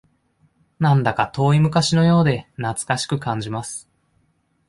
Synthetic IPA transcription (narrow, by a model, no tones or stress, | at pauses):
nãnd̪akat̪o̞ːimɯ̟kaɕino̞jo̞ːd̪e̞nat͡sɨ̥kaɕi̥kɯ̟kãɲ̟d͡ʑimasɨ̥